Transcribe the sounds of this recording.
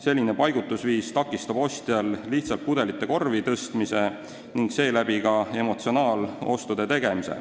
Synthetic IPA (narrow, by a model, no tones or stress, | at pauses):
se̞lʲːine̞pɑjɡut̪ːˑusviːst̪ɑkˑːist̪ɑb̥o̞st̪jɑlːiht̪sɑlt̪̚pud̪̥e̞lit̪ːˑe̞ko̞rvit̪ɤst̪mise̞ | niŋɡse̞ːlæbikɑe̞mo̞t̪sio̞nɑːlo̞̰st̪ud̪e̞t̪e̞ɡ̥e̞misḛ